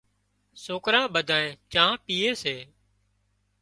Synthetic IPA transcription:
soːkɾãːɓəd̪ʱaːẽːt͡ʃãːpiːeːseː

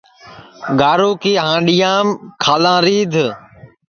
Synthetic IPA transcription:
ɡaːɾoːkiːɦãːɗijãːmkʰaːlãːɾiːd̪ʱ

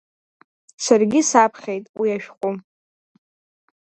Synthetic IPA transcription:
sarɡʲisapʰχʲe̞jtʼwiaʃᶣqʷʼu

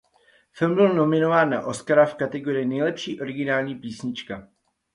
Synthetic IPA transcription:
fɪlmbɪlno̞mɪno̞vaːnːa̰ʔo̞skaɾafkat̪ɛɡo̞ɾɪnɛjlɛpʃiːʔo̞ɾɪɡɪnaːlɲiːpiːsɲɪt͡ʃka

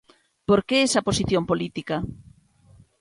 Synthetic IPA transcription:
poɾkeesɐposiθjompolit̪ikɐ

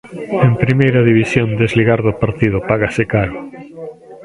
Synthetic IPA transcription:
empɾimejɾaðiβ̞isjõnd̪ezliɣaɾðʊpaɾt̪ið̞ʊpaɣasekaɾʊ

